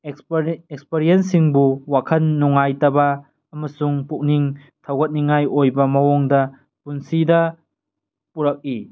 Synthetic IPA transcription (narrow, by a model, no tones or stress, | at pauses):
ek̚speɾijens̬iŋbuwakʰɐnːuŋajtɐbɐː | mɐsuŋpuk̚niŋ | tʰɐwɡɐt̚niŋajojbɐmɐwoŋdɐ | punsidɐ | puɾɐk̚i